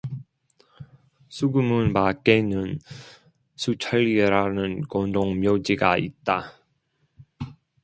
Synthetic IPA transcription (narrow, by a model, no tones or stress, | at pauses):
sʰuɡumɯnpak͈enɯn | sʰut͡ɕʰaɭiɾanɯnkondoŋmjod͡ʑiɡaḭt̚t͈a